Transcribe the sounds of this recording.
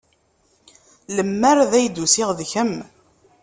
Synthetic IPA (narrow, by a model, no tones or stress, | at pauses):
ləmːæɾðæjd̪usɪʁðçəm